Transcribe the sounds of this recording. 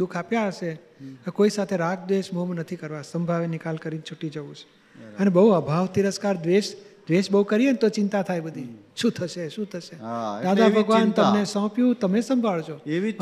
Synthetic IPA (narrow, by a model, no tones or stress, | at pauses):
d̪ukʰapjaəʃe | t̪okoisat̪ʰeɾak̚ʰd̪ʋeʃmomnət̪ʰikəɾʋasəmbʱaʋenɪkalkəɾint͡ʃʰuʈid͡ʒəʋũt͡ʃʰe̥ | ənebəɦuəbʱaʋt̪iɾəskaɾd̪ʋeʃd̪ʋeʃbəɦukəɾient̪ot͡ʃɪ̃nt̪at̪ʰajbəd̪ʱi | ʃũt̪ʰəʃeʃũt̪ʰəʃed̪ad̪abʱəɡʋant̪əmnesɔ̃pjũt̪əmesəmbʱaɭt͡ʃʰo